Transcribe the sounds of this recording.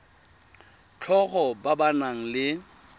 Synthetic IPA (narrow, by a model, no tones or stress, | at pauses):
t͡ɬʰɔχɔbabanaŋ̩lɪ